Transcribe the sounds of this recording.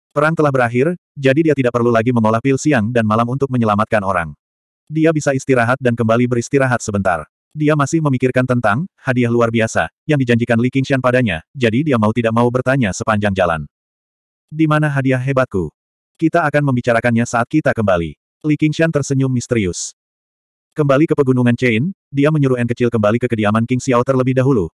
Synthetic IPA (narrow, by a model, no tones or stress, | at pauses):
pəɾaŋt̪əlahbəɾaɦɪr | d͡ʒadidiat̪idaʔ̚pərlulaɡiməŋolahpilsiaŋdanmalamunt̪ʊk̚məɲəlamat̪̚kanoɾa̰ŋ | diabisaist̪iɾaɦat̪̚dankəmbalibəɾist̪iɾaɦat̪̚səbənt̪a̰r | diamasɪhməmikɪrkant̪ənt̪aŋhadiahluarbiasa̰ | jaŋdid͡ʒaɲd͡ʒikanlikiŋʃianpadaɲad͡ʒadidiamaut̪idak̚maubərt̪aɲasəpaɲd͡ʒaŋd͡ʒala̰n | dimanaɦadiahɦebat̪̚ku | kit̪aːkanməmbit͡ʃaɾakanɲasaːt̪̚kit̪akəmbalḭ | likiŋsiant̪ərsəɲʊmːist̪əɾiʊs | kəmbalikəpəɡunuŋant͡ʃeindiaməɲuɾuɛnkət͡ʃɪlkəmbalikəkədiamankɪŋsiawt̪ərləbɪhdaɦulu